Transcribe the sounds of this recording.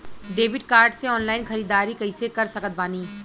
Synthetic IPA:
ɖeːʋɪɖkaːɾɖseɔːnlaːɪnxɐɾiːd̪aːɾikɐisekɐɾsɐkət̪̚baːniː

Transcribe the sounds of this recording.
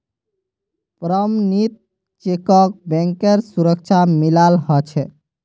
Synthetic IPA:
pɾəmnit̪̚ | t͡ʃekɔk̚bɛ̃ŋkeɾsuɾək̚t͡ʃʰamilalɦɔt͡ʃʰɛ

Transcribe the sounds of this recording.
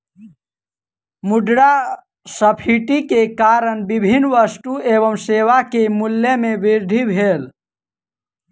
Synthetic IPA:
muɖɽa | səpʰiʈikekaːɾəɳbibʱinːʋəsʈueːʋəmseːʋakemulːemẽʋiɾd̪ʱibʱeːl

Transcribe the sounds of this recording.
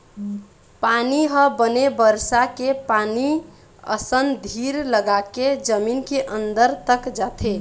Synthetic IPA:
paniɦəbənebəɾsakepani | ə̰sənd̪ʱiɾləɡaked͡ʒəminkeʔənd̪əɾt̪əkd͡ʒat̪ʰe

